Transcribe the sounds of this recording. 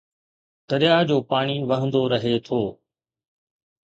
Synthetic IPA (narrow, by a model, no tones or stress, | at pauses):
t̪ɐɾɪjad͡ʑoːpaːɽ̃iʋɐɦə̃nd̪oɾɐɦet̪ʰoː